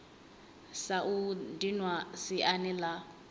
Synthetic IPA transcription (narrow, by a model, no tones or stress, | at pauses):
saʔudinwasiʔanɛla